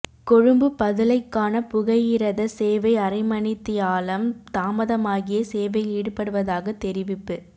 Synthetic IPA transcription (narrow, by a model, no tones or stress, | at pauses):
kɔɻɯmbɯpɐðɪlɐɪkːaːnɐpʊɣɐjɪɾɐðɐseːʋɐɪɐrɐɪmɐɳɪt̪ːɪjaːlɐmt̪aːmɐðɐmaːɣɪjɐseːʋɐɪiːɽɯpːɐɽɯʋɐðaːɣɐt̪ːɛɾɪʋɪpːɯ